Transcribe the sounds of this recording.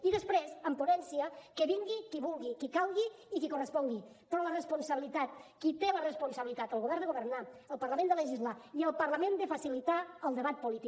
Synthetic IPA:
iðəspɾezəmpunɛnsiəkəβiŋɡikiβulˠɣikikalˠɣiːkikurəspɔŋɡi | pɾɔlərəspunsəβilit̪at̪kit̪elərəspunsəβilit̪at̪əlˠɣuβɛɾnd̪əɣuβərnaəlˠpəɾləmẽnd̪ələʒizlaiəlˠpəɾləmẽnd̪əfəsilit̪aəlˠd̪əβat̪̚pulit̪i

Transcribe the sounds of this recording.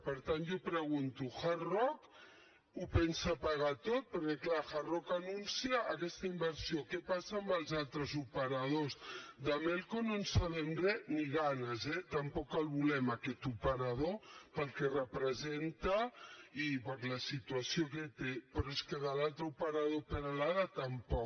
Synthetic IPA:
pəɾt̪anʒopɾəɣunt̪uxarɔk | upɛnsapaɣat̪ot̪̚pəɾkeklaxarɔkanunsiəʔːkɛst̪əimbəɾsiokepasaːmbəlˠzalˠt̪ɾəzupəɾɐð̞ozd̪amelˠkononsaβɛmɾɛniɣanəzɛt̪ɐəmpɔkːəlˠβulɛmakɛt̪upəɾað̞opəlˠkɛrəpɾəzent̪əipəɾləsit̪uasiok̬et̪epɾɔeskəðəlalˠt̪ɾəupəɾaðopənalaðət̪əmpɔ

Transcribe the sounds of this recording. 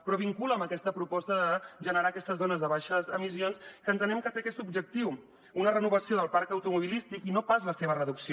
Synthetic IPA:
pɾɔβ̞iŋkuləməkɛst̪əpɾupɔst̪əðəʒənəɾaːkɛst̪əzðonəzðəβaʃəzəmisionskəːnt̪ənɛmkət̪eəkɛst̪ub̚d͡ʒək̚t̪iw | unərənuβəsioðəlˠpaɾkəwt̪umuβilist̪ikinopazləseβərəðuksio

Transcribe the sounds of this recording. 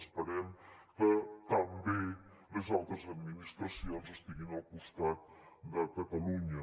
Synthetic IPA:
spəɾɛmkət̪əmbe | ləzalˠt̪ɾəzəd̪minist̪ɾəsionzəst̪iɣinəlˠkust̪at̪̚d̪əkət̪əluɲə

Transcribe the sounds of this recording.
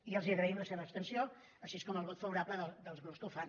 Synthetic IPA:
iəlˠziəɣɾəimləseβəːpst̪ənsio | əʃieskɔməlˠβɔt̪fəβuɾapləðəlˠd̪əlˠzɣɾɔskəwfan

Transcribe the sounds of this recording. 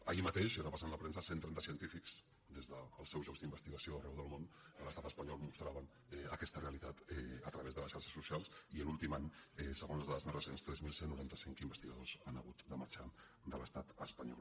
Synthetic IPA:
əimət̪eʃeɾapasanləpɾɛnsəsent̪ɾɛnt̪əsiənt̪ifikz̥ | d̪ezðəːlˠsɛwʒɔkzd̪imbəst̪iɣəsioərɛwðəlˠmonələst̪at̪əspəɲɔlˠmust̪ɾaβən | ɛəkɛst̪əreəlit̪at̪ɛət̪ɾəβezðələsʃaɾʃə̥sːusialˠsiəlulˠt̪imaɲɛsəɣonzəzðaðəzmerəsenst̪ɾɛzmilˠsenːuɾant̪əsiŋkimbəst̪iɣəðozanə̰ɣ̞ut̪d̪əmə̰ɾt͡ʃa | d̪ələst̪at̪əspəɲɔ̰l

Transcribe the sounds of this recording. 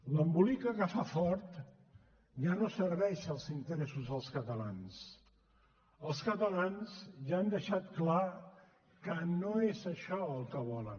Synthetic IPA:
ləmbulikəɣəfafɔɾt̪ | ʒanosəɾβɛʃəlˠzint̪əɾesuzðəlˠskət̪əlans | əlˠskət̪əlanzʒaːnd̪əʃat̪kla | kənoezəʃɔəlˠkəβɔlə̰n

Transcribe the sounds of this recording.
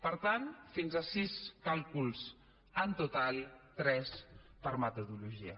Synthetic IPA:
pəɾt̪anfinzəsiskalˠkulˠz | ənt̪ut̪alˠt̪ɾɛspəɾmət̪uðuluʒiə̰

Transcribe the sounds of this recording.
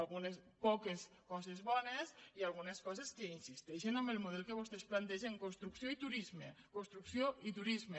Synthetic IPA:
alɣunespɔkeskɔzezβɔnesialˠɣ̞uneskɔzeskeinsist̪ɛʃenambelmuð̞ɛlˠkeβ̞ost̪esplant̪ɛʒeŋkonst̪ɾuksjoit̪uɾizmekonst̪ɾuksjoit̪uɾizme

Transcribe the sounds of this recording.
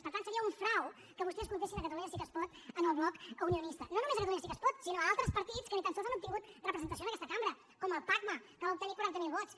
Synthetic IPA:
pəɾt̪ansəɾiəuɱfɾaw | kəβust̪ɛskunt̪esinəkət̪əluɲəsikəspɔt̪ənəlˠβlɔkuniunist̪ənonumezəkət̪luɲəsikəspɔt̪sinoalˠt̪ɾəspəɾt̪it͡skənit̪ansozanup̚t̪iŋɡut̪rəpɾəzənt̪əsiondəkɛst̪kambɾə | kɔməlˠpaɡməkəβaup̚t̪ənipuɾaɾt̪əmilˠβɔt̪t͡s

